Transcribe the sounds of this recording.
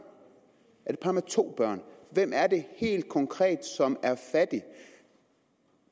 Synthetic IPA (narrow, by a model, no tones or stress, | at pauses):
æɐd̥e̝pʰɑ̈ːmet͡sʰo̝̰ːb̥ɶɐ̰nʋem̰æɐd̥e̝he̝̰ːld̥̚kʰɒ̽ŋkʰʁɛ̰ːd̥sɒ̽mæɐfæd̥i